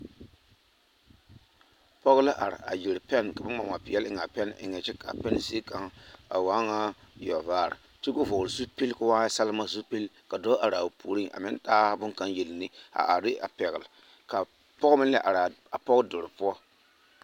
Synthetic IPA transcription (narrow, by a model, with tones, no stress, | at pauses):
pɔ˦ɣla˦ʔa̰˨ɾɪ̰˨a̰˨jɪ˨ɾpɛ˦nka˨bɪ˦ma˨ŋa˨pɪ˨jɛ˦lɪ˦ŋ˨a˨pɛ˦nɪ̰˨ŋɛ˨t͡ʃɪ˦ka̰˨pɛ˦n˨se˦ka˨ŋa̰˨waː˦ŋa˦ | jɔ˨vaː˦˨ɾɪ̰˨ | tu˦ko˦vɔ˨lzu˦pi˦lka˦waː˦sa˦lma˦zu˦pi˦lka˨dɔ˦a˨ɾa˨pʰu˨ɾi˦ŋa̰˨mɪ˦ntaː˦bʊ˦ŋka˦nje˨lni˦a̰˨ʔa˨ɾɪ˦ʔa̰˨pɛ˨ɣɪ˨l | ka˨ | pɔ˦ɣmɪ˦n˦ɛ˦ʔa˨ɾa˨ | a˨pɔ˦ɣdʊ˨ɾpʊ˦ɔ˦